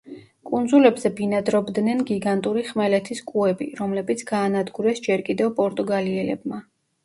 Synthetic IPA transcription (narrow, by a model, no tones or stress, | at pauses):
kʼund̪zulɛbzɛbinad̪ɾɔbd̪nɛnɡiɡant̪ʼuɾiχmɛlɛt̪ʰiskʼuɛbḭɾɔmlɛbit̪sʰɡ̥aːnad̪ɡuɾɛsd͡ʒɛɾkʼid̪ɛvpʼɔɾt̪ʼuɡaliɛlɛb̚ma